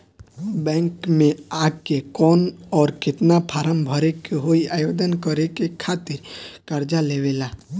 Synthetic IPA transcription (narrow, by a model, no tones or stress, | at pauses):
bɛ̃ːŋkmẽaːɡkːekɔːnɔːɾkɪt̪napʰaːɾəmbʱɔɾekeɦoiaːjoːd̪ənkəɾekekʰaːt̪ɪɾkəɾd͡ʒaleʋelaː